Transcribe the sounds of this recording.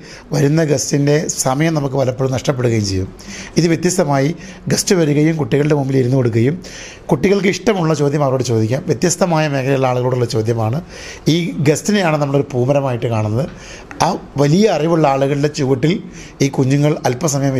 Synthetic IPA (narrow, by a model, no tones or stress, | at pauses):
ʋɐɾunːɐɡestinde̞sɐmɐjɐmnɐmukːɨʋɐlɐpːoːunɐʂʈɐp̬ːe̞ɽuɣɐjumt͡ɕejːumiðɨʋjet̪jɐst̪ɐmaːji | ɡɐstɨʋɐɾuɣɐjumkuʈːiɣɐɭɨɖemumbiliɾunːuko̞ɽuk̬ːɣɐjum | kuʈːiɣɐɭk̬ɨiʂʈɐmuɭːɐt͡ɕo̞ːd̪ʱjɐmɐːɭoːɽet͡ɕo̞ːd̪ikʲːaːmʋjet̪jɐst̪ɐmaːjɐme̞ːkɐlɐjuɭːɐaːɭuɣɐɭuːɽuɭːɐt͡ɕo̞ːd̪jɐmaːɳɨ | iːɡestinejaːɳɨnɐmːɐɭo̞ɾupuːmɐɾɐmaːjiʈːɨkaːɳunːɐðɨ | aːʋɐlijɐːriʋuɭːɐaːɭuɣɐɭilde̞t͡ɕuʋɐʈːil | iːkuɲːuŋːɐɭɐlpɐsɐmɐjɐm